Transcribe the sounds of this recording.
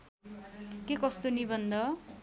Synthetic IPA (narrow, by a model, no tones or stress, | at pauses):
kekʌst̪onibʌnd̪ʌ